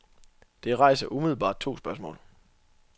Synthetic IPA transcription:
d̥e̝ʁɑ̈ɪ̰sɐʔumiðˠl̩ˠb̥ɑ̰̈ːd̥̚t͡sʰo̝̰ːsb̥ɶɐsmɔ̰̽ːl

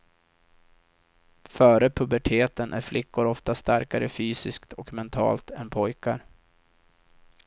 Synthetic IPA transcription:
fœːɾəpʰɵbæʈʰeːt̪ənʔæ̰ɾflʔɪkːʊɾɔft̪ast̪aɾkaɾəfyːsɪskt̪ʰɔkmɛnt̪ʰɑ̰ːlt̪ɛnpʰɔjkaɾ

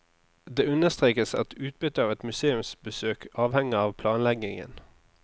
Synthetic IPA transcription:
d̪eːʉnəʁst̪ʁeːkəsɑ̰t̪ʰʉːt̪̚bʏt̪əɑːʋɛt̪mʉseːʉmsbəsøːkɑːʋhɛŋəɑːʋpʰlɑːnlɛɡɪŋə̰n

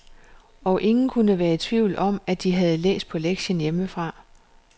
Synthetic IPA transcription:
ɒ̽ʔe̝ŋn̩kʰunəʋæːɐt͡sʰʋiʊ̰lɒ̽m̰æd̥iɦæð̞̩ˠlḛːsd̥̚pʰɒ̽leɡ̥ɕənjeməfʁɑ̈ː

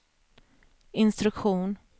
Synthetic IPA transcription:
ɪnst̪ɾɵkɧuːn

